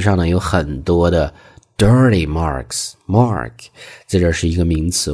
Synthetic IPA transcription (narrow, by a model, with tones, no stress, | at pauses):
ʂɑ˥˩ŋnə˩jo˧˥ʊxə˨˩nt̪wɔ˥d̪ə˨ | d̥ə˞˥li˨˩mɑ̰˥˩ɹksmɑ˥˩ɹkʰt͡sə˥˩ɪʈ͡ʂə˥˧ʂɻ̩˥˩i˧˥ɡə˧mi˧˥ŋt͡sɹ̩˧˥